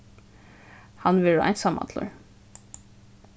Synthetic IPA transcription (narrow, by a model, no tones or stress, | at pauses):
hɑnʋɪæ̰ɪnsɑmʔɑ̰t̪ʰlə̰ɹ